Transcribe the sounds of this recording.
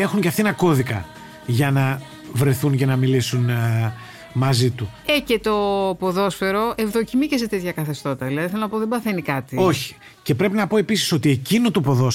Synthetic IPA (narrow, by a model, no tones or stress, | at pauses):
e̞xuɲceɐft̪ienɐko̞ðikɐ̰ | ʝɐnɐ | vɾe̞θuncenɐmilisun | mɐzit̪uece̞t̪o̞poðo̞sfe̞ɾo̞ʔe̞vðo̞cimiceset̪e̞t̪çɐkɐθe̞st̪o̞t̪ɐðilɐðiθelonɐpoðebɐθe̞nikɐt̪io̞çi̥i̥ | ce̞pɾe̞pinɐpo̞e̞pisi̥so̞t̪ie̞cinot̪upo̞ðo̞s